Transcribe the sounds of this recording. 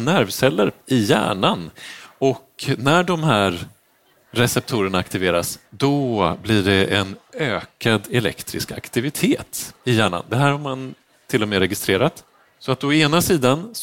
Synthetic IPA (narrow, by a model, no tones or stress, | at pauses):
næɾvsɛlːəɾɪjæ̰ːɳanɔknæɖɔmɦæːɾ | ɾɛsɛp̚t̪ʰuːɾəɳaakt̪ɪveːɾa̰sd̪ɔblɪɖɛʔɛnøːkʰad̪ɛlɛ̰kt̪ɾɪ̰ska̰kt̪ɪvɪt̪ʰeːt̪ɪjæːɳa̰nd̪ɛɦæːɾhaɾman | t̪ʰɪlːɔmeːɾɛɡɪst̪ɾeːɾat̪ | sɔat̪ɔeːnasiːd̪an